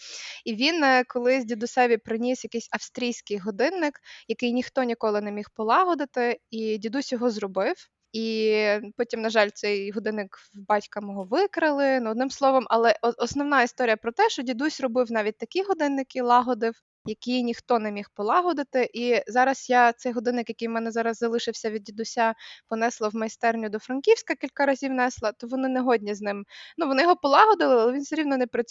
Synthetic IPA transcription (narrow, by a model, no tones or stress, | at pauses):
iʋʲinkɔlˠɪzʲdʲid̪ʊsɛbʲipɾɪnʲisjɐkɪsʲɐfst̪ɾʲijsʲkɪjɦɔd̪ɪnːɪkjɐkɪjnʲixt̪ɔnʲikɔlˠɪnɛmʲixpɔlˠɑɦɔd̪ɪt̪ɪidʲid̪usʲjɔɦɔzrɔbɪw | ipɔtʲimnɐʒɑlʲt̪sɛjɦɔd̪ɪnːɪk | bɑtʲkɐmɔɦɔʋɪkɾɪlˠɪnuɔd̪nɪmslˠɔʋɔmʔɐlˠɛɔsnɔwnɑist̪ɔɾʲijɐpɾɔt̪ɛʃt͡ʃɔdʲid̪usʲrɔbɪwnɑʋʲit̚ʲt̪ɐkʲiɦɔd̪ɪnːɪkɪlˠɑɦɔd̪ɪw | jɐkijnʲixt̪ɔnɛmʲixpɔlˠɑɦɔd̪ɪt̪ɪʔizɑɾɐsjat̪sɛjɦɔd̪ɪnːɪkjɐkɪjwmɛnɛzɑɾɐzːɐlˠɪʃɪwsʲɐʋʲid̪̚dʲid̪ʊsʲapɔnɛslˠɐwmɐjst̪ɛrnʲʊd̪ɔfɾɐnkʲiwsʲkɐkʲilʲkɐɾɐzʲiwnɛslˠɐt̪ɔʋɔnɪnɛɦɔdʲnʲiznɪmnuʋɔnɪjɔɦɔpɔlˠɑɦɔd̪ɪlˠɪalˠɛʋʲinsɐɾʲiwnɔnɛpɾɐ